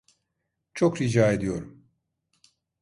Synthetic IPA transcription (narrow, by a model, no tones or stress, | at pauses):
t͡ʃʰo̞kɾid͡ʒaːe̞d̪ijo̞ɾum